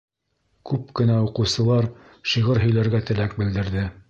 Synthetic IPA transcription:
kʉp̚kɘ̆næuqɤ̆wsɤ̆lˠɑɾ | ʃiʁɤɾɦɵ̆jlæɾɡæt̪ɘ̆læk̚bɘ̆ld̪ɘ̆ɾðɘ

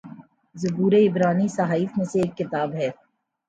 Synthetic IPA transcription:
zʊbuːɾeɪbɾaːnisaɦaːiːfmẽseːkːɪt̪aːbɦɛː

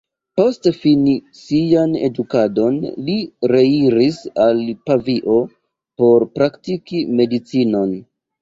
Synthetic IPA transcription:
po̞stfini | siane̞̰dukado̞nliɾe̞iɾisalpaviʔo̞ | po̞ɾpɾaktikime̞dit͡sino̞n

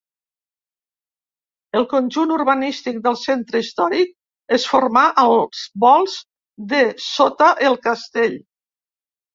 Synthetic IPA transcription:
əlˠkonʲʒunuɾrβanist̪ik̚d̪əlˠsent̪ɾəist̪ɔɾik̚ | esfoɾmaʔəlz̥βɔlˠz | d̪əsot̪aʔelˠkast̪eʎ

